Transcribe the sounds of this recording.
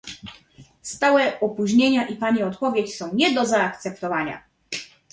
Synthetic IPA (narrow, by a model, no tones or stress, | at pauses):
st̪awɛɔpuʑɲeɲaʔipaɲiɔt̪pɔvʲjet͡ɕsɔ̃w̃ɲɛd̪ɔzaːkt̪sɛpt̪ɔvaɲa̰